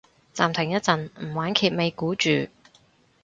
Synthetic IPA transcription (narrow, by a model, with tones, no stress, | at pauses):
t͡saː˨mt̪ʰɪ˨˩ŋjɐ˥t̚t͡sɐ˨nm̩˨˩waː˨˥nkʰiː˧t̚me˨˧jkuː˨˥t͡ʃyː˨